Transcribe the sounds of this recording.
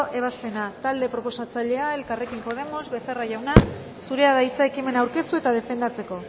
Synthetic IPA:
ʔe̞β̞ast̪e̞nat̪ald̪e̞pɾo̞po̞sat͡saʎe̞ae̞lkare̞kimpo̞ð̞e̞mo̞zβe̞seraʝawna | suɾe̞aðait͡sae̞kime̞nawɾke̞st̪ue̞t̪að̞e̞fe̞nd̪at͡se̞ko̞

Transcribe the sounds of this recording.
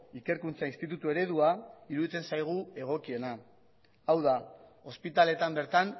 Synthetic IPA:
ike̞ɾkunt͡sainst̪it̪ut̪ue̞ɾe̞ðuaiɾuðit͡s̪e̞nsajɣ̞ue̞ɣ̞o̞kie̞na | awðao̞spit̪ale̞t̪ambe̞ɾt̪an

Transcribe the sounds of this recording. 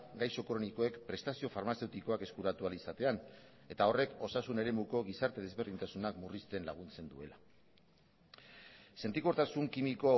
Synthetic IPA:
ɡajso̞kɾo̞niko̞e̞kpɾe̞st̪asio̞faɾmase̞wt̪iko̞ake̞skuɾat̪ualisat̪e̞an | e̞t̪ao̞re̞ko̞sasune̞ɾe̞muko̞ɣ̞isaɾt̪e̞ð̞e̞zβerɾð̞int̪asunakmurist̪e̞nlaɣ̞unt͡se̞nd̪ue̞̰la | sent̪ikoɾt̪asuŋkimiko̞

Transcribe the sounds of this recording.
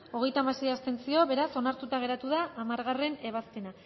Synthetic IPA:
o̞ɣ̞e̞jt̪amase̞jast̪e̞nsio̞βe̞ɾaso̞naɾt̪ut̪aɣe̞ɾat̪uðaʔːmaɾɣare̞ne̞βaspe̞na

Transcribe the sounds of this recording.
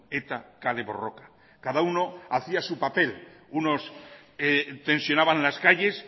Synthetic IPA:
et̪akaleβo̰rokḁ | kaðauno̞aθiasupape̞luno̞s | et̪e̞nsjo̞naβanlaskaʎe̞s

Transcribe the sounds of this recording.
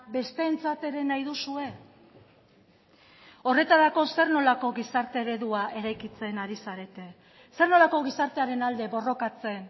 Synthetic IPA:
be̞st̪e̞ːnt͡sat̪e̞ɾe̞najðusue̞ | o̞re̞t̪aɾako̞se̞rno̞lako̞ɣisaɾt̪e̞ːɾe̞ðuaʔe̞ɾajkit͡se̞naɾisaɾe̞t̪e̞ | se̞rno̞lako̞ɣisaɾt̪e̞aɾe̞nald̪e̞βo̞ro̞kat͡se̞n

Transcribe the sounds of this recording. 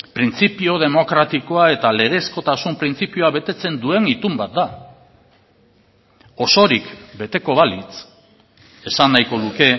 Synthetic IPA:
pɾint͡sipio̞ð̞e̞mo̞kɾat̪iko̞ae̞t̪ale̞ɣ̞e̞sko̞t̪asumpɾint͡sipioaβe̞t̪e̞t͡se̞nd̪ue̞ŋit̪umbat̪̚d̪a | o̞so̞ɾikbe̞t̪e̞ko̞βalit͡s | e̞sanːajko̞ðuke̞

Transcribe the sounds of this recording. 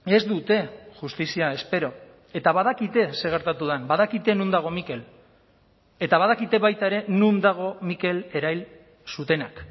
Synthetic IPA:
e̞zd̪ut̪e̞ʝust̪isiae̞spe̞ɾo̞ | e̞t̪aβaðakit̪e̞se̞ɣ̞e̞ɾt̪at̪uð̞anbaðakit̪enund̪aɣ̞o̞mike̞l | e̞t̪aβað̞akit̪e̞βajt̪ae̞ɾe̞nund̪aɣ̞o̞mike̞le̞ɾajl | sut̪e̞nak

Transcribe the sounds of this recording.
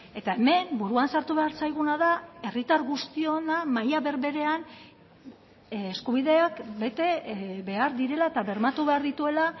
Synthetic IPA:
e̞t̪ae̞me̞mbuɾuansaɾt̪uβe̞aɾsajɣ̞unaðae̞rit̪aɾɣust̪io̞namajaβe̞ɾβe̞ɾe̞an | skuβiðe̞akbe̞t̪e̞βe̞aɾðiɾe̞laet̪aβe̞ɾmat̪uβe̞aɾðit̪ue̞la

